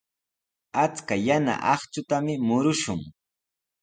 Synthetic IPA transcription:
at͡skajana̰ʔɑχt͡ʃʊt̪amɪmʊɾʊʃʊŋ

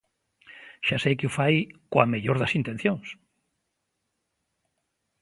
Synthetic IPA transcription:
ʃasejkɪufajkwameʎoɾðasint̪ẽn̟θjõŋs

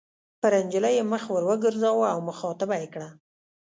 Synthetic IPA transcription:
pəɾand͡ʒəlajeməxwəɾwəɡəɾzɑwaawməxɑt̪abajekɽa

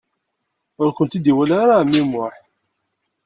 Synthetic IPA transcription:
ʊɾkʷənt̪id̪iwælaɾamːimʊħ

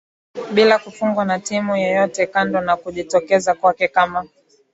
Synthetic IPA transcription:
ɓilakufuŋɡwanatimujɛjɔtɛkandɔnakuʄitɔkɛzakwakɛkama

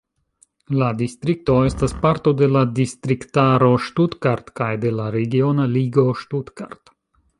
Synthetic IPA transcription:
lad̪ist̪ɾik̚t̪ɔːɛst̪aspaɾt̪ud̪ɛlad̪ist̪ɾikt̪aːɾɔʃt̪ut̪kaɾt̪kajd̪ɛlaɾeɡʲionaliɡoːʃt̪ut̪kaɾt̪

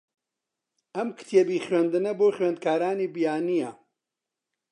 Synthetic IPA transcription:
ʔɐmkɨ̥t̪ʰjebiːχɥend̪ɨnɐboːχɥend̪̚kʰaːɾaːniːbijaːnijɐ

